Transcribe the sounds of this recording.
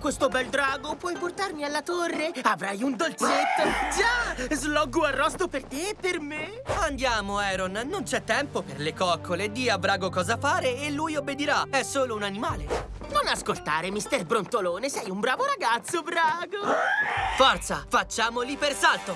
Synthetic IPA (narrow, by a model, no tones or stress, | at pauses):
kwest̪obɛld̪ɾaːɡopwɔjport̪armialːat̪orːeavɾajund̪olt͡ʃet̪ːod͡ʒazlɔɡːuarːɔst̪opert̪eɛpːerme | and̪jaːmoɛːɾonnont͡ʃɛt̪ːɛmpoperlekɔkʰːoled̪iːabɾaːɡokɔːzafaːɾeːlːujobːed̪iɾaɛsːoːlounanimaːle | nonaskolt̪aːɾemist̪ɛrbɾont̪oloːnesɛjumbɾaːvoɾaɡat̪sːobɾaːɡo | fɔrt̪safat͡ʃːaːmolipersalt̪o